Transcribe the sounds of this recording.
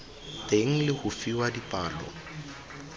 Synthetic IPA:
tʼeŋ̩lɪhʊfiwadipʼaːlɔ̰

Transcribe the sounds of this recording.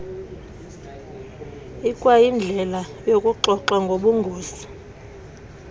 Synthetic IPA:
ikʼwajind͡ɮʱɛlajokʼuǃɔǃaŋɡʱoɓuŋɡʱuːsi̥

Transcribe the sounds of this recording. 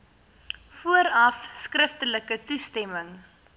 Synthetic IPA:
fuəɾɐfskrəftələkətustɛməŋ

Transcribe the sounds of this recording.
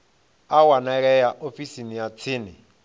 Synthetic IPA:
awanɛɺɛjaʔofisinijat͡sʰiːnɪ

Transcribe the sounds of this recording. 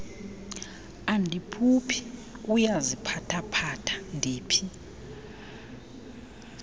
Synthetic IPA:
andʱipʰupʰi̥ujazipʰatʰapʰatʰḁndʱeːpʰi

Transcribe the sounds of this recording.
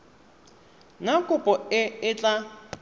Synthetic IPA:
ŋakʼʊpʼɔɪɪt͡ɬʼa

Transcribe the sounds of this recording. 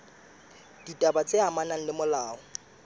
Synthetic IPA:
d̥itʼabat͡sʼeamanaŋ̩lɪmʊlaːɔ

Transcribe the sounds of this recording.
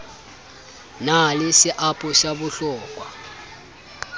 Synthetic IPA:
nalisɪʔapʼuʃaβʊɬɔːkʼwa

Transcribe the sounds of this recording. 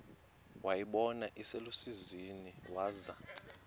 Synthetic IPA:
wajiɓɔnaʔiselusiziniwaːza

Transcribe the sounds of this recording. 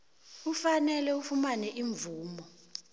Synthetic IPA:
ufanɛlɛufumanɛʔiɱvuːmɔ

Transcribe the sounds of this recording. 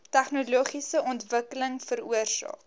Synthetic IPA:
tæχnuluːχisəʔɔntvəkələŋfəɾuərsɑ̰ːk

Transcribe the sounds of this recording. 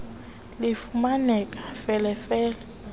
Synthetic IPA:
lɪfumanɛkʼḁfɛlɛfɛːlɛ

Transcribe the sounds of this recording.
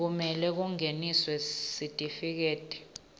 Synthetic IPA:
k̬umɛlɛk̬uŋeniswɛsitʼifik̬eːd̥ʼʱɛ̥

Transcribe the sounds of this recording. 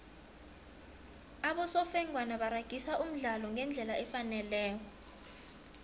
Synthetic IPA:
aɓɔsɔfɛŋwanaɓaɾaɡ̥ʱisaʔum̩ɮalɔŋɛnd͡ɮʱɛlaʔɛfanɛlɛːk̬ɔ

